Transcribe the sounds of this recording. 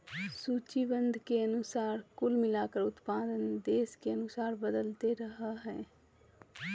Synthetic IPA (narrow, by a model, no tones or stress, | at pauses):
suːt͡ʃibə̃nd̪ʱkeɐnʊsaːɾkʊlmɪlaːkəɾʊt̪paːd̪ənd̪eːskeɐnʊsaːɾbəd̪əlt̪eɾəɦaɦɛ̰̃ː